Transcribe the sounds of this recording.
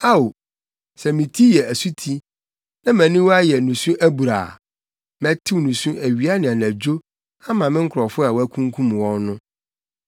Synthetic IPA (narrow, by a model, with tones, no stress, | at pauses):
a˦o˨ | sɛ˨mĩ˨tʰi˦jɛ˨æ˨su˦tʰi˦ | nã˦mæ̃˨nĩ˦wɔ˦a˦jɛ˨nũ˨sũ˦ʔæ˦bu˨ɾa̰ː˨ | mɛ̃˨tʰɪ˦wnũ˨sũ˦ʔæ˨ɥi˨˦a˦nɪ̃˨ã˨næ̃˨d͡ʑo˦ | a˦mã˨mɪ̃˦ŋ̩˦kʰɾɔ˨fʊ˦a˨wɔ˦æ˦kʰũ˦ŋ˦kʰũ˦m˨wɔ̃˦nnʊ̃˦